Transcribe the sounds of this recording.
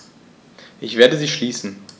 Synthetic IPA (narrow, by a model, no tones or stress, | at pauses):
ʔɪçv̥eːɐdəziːʃliːsn̩